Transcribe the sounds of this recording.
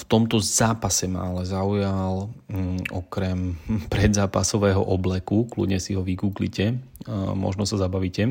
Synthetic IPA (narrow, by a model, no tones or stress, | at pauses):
ft̪ɔmt̪ɔzaːpasɛma̰alɛzaujal | ɔkɾɛmpɾɛd̪zaːpasɔʋɛːɦɔʔɔblɛkuklṵɟɲɛsiɦɔʋikuːklḭcɛmɔ̰ʒnɔsazabaʋiːcɛ